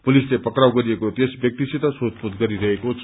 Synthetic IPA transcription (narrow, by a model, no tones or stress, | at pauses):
pulislepʌkɾawɡʌɾiekot̪esbjʌk̚t̪isit̪asot̪pud̪ɡʌɾiɾʌɦekot͡sʰ